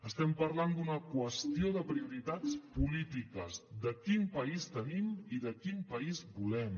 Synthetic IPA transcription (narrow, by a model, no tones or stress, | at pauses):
əst̪ɛmpəɾland̪unəkwəst̪ioðəpɾiuɾit̪at͡spulit̪ikəzd̪əkimpəist̪ənimiðəkimpəizbulɛm